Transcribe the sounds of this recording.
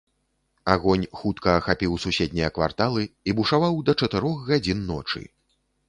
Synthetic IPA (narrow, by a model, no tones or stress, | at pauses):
aɣɔnʲxut̪kɐːxapʲiwsusʲɛd̪ʲnʲɛjɐkva̰rt̪alˠɨibuʂavawd̪ɐt͡ʂɐt̪ɛɾɔxɣad͡zʲinːɔ̰t͡ʂɨ̰